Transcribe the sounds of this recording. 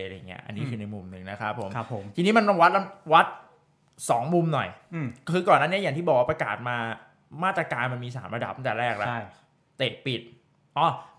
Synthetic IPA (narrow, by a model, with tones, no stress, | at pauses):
ɾja̰˨˩ŋːi˦˥ɐʔa̰˧nːiː˦˥kʰɯː˧na˧jmu˧mnɯ˨˧ŋna˦˥kʰɾa˦˥pʰːo˨˩˦mʰ˦pʰo˩˦mt̪ʰiː˧niː˦˥ma˧nmɔ˧˩ŋwa˦˥t̪̚la˦˥wa˦˥t̪̚ | sɔː˩˦ŋmu˧mnɔ˨˩jkʰɯː˧kɔː˨˩nːaː˥˩i˦˥˨a˨˩ŋiː˥˩bɔː˨˩kwaː˦˥pɾa˧ka̰ː˨˩t̪̚maː˧ | maː˥˩t̪ɾa˧kaː˧nma˧nmiː˧s̬a̰ː˩˦mɾa˧da˨˩p̚na˥˩d̪ːɾɛː˥˩k̚la˦˥a˥˩ | t̪e˨˩t̪̚pi˨˩t̪̚ | ʔɔː˧˩